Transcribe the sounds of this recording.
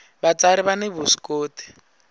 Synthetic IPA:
bat͡saɾiβaneβusi̥koːtʰɛ̥

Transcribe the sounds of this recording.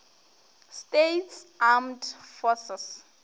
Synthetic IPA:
stetsamdfɔsɛs

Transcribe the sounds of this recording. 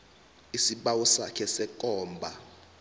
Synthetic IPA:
isiɓawɔsa̰kʰɛsɛkʼɔːmbʱa

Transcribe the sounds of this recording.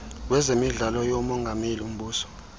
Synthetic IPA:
wɛzemiɮalɔjomɔŋɡʱamelium̩ɓuːsɔ̥

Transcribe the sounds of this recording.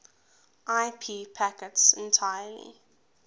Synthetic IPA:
ʔaɪpʰiːpʰækətsɛ̃ntʰajəlḭ

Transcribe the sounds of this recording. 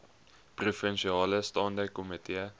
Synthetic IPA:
prufɛnʃiɑːləstɑndəkːomit̪eə

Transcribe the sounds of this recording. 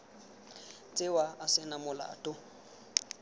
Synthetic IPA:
t͡sʼɪwaːsɪnamʊla̰ːtʼʊ

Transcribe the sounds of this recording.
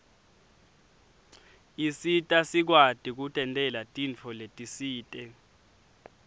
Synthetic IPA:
isitʼasik̬watʼik̬utʼɛntʼɛlatʼint͡fʰɔletʼisiːtʼɛ

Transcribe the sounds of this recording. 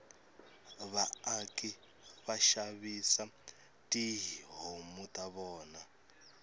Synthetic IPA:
βaakʼi | βaʃaβisa | tʼiɦiɦomutʼaβɔːna

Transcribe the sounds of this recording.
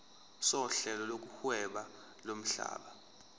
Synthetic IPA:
sɔɬɛlɔlok̬uhwɛɓa | lom̩ɬa̰ːɓa

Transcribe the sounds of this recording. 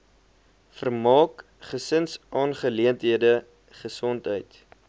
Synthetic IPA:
fərmɑːk | χəsənsʔɑːnχəliəntɦiədə | χəsɔntɦœjt

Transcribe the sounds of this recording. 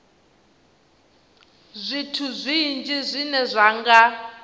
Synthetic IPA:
zʷitʰuzʷind͡ʒizʷinɛzʷaŋɡa

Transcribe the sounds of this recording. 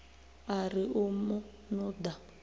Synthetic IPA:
arɪʊmʊ | nʊda

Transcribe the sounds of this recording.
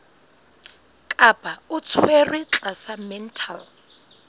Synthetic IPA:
kʼab̥ʱaʊt͡sʰwerwit͡ɬʼasamɛntʰal

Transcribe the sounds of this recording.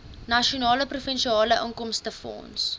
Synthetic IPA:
nɐʃionɑːləprufənʃiɑːləʔɑːŋkɔmstəfɔ̰̃ːns

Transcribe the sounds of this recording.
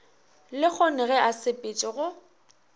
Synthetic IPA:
lɪk͡xʰɔnɪɣɛʔasɪpʼɪt͡ʃʼɪɣʊ

